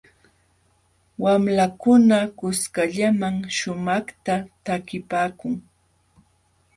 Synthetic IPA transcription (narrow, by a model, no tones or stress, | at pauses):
wamlakʊnakʊskaʎamaŋʃʊmɑχt̪at̪akɪpaːkʊŋ